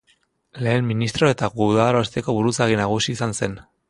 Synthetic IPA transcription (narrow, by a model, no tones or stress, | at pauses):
le̞ːmːinist̪ɾo̞e̞t̪aɣuðaɾoest̪e̞ko̞βuɾut͡saɣinaɣ̞usiːsanse̞n